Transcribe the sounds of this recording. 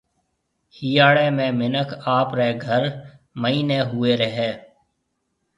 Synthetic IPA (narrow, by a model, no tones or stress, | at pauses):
hiːaːɽeːmẽːmɪnəkʰaːpɾeːɡʱəɾ | məiːneːɦʊeːɾəɦeː